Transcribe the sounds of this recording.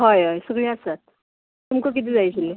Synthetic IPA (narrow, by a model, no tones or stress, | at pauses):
ɦajɦajsəɡɭeasat̪̚ | t̪umkək̬it̪̬iːd͡zajt͡ɕʰile